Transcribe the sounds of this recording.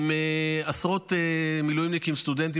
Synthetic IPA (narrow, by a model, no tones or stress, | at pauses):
measʁo̞t̪emilujimnikimst̪ud̪ent̬i